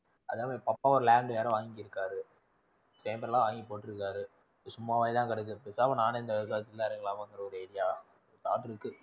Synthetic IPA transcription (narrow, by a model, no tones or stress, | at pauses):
ɐðaːmeːpɐpːaːʋɔɾɯlaːɳɖɯʋaːɾɐ̃ʋaːŋɡkːɪɾɯkːaːɾɯ | seːmbɐɾlãːʋaːŋɡipoːʈːɪɾɯkːaːɾɯ | sʊmːaːʋaːjt̪ãːkɐɽɛk̬ːɯpeːsaːpɐnaːnɐɪnd̪ɐɪʋɐs̬aːɐt̪ːɪlːɐːɾɐŋɡɐlãːkɐʋɐnd̪ɯɾɐɔɾɯeːɾɪjaː | ɔɾɯt̪aːʈːɯɾɯkːɯ